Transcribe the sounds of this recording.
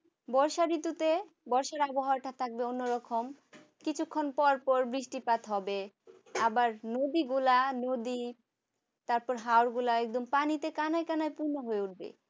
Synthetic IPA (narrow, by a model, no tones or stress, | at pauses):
bɔɾʃaɾit̪ːut̪e | bɔɾʃaɾaboɦaɾʈat̪ʰak̚beonːoɾɔkʰom | kit͡ɕʰukʰːonpɔɾpɔɾbɾiʃʈipat̪ɦɔbe | abaɾnod̪iɡulanod̪i | t̪aɾpɔɾɦaoɾɡulaɛk̚d̪ompanit̪ekanajkanajpuɾnːoɦoeuʈ̚bḛ